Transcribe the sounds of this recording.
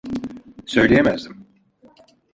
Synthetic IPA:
sø̞jlʲejemæzd̪im

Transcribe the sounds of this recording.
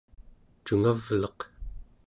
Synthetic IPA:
t͡ʃuŋavlʌq

